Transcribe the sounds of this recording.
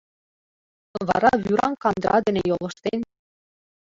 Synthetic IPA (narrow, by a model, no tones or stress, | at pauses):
βɑ̰ɾɑβyɾɑnkɑnd̪ɾʔɑ̰d̪ɘ̆nejolˠɤ̆ʃt̪en